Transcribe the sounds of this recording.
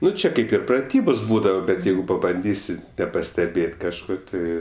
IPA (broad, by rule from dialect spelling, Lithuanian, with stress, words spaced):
ˈnʊ ˈt͡ʃʲɛ ˈkɐɪp ɪr prɐˈtʲiːboːs ˈbuːdɐʋɐ bʲɛt ˈjɛɪɡʊ pɐbɐnʲˈdʲiːsʲɪ nʲɛpɐsʲtʲɛˈbʲeːtʲ kɐʃˈkoː ˈtʲɪ